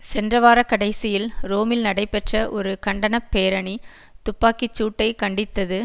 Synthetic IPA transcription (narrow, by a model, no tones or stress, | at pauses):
sɛndrɐʋaːɾɐkːɐɽɐɪsɪjɪlɾoːmɪlnɐɽɐɪpːɛʈrɐʔɔɾɯkɐɳɖɐnɐpːeːɾɐɳi | t̪ʊpːaːkɪt͡ʃːuːʈːɐɪkɐɳɖɪt̪ːɐðɯ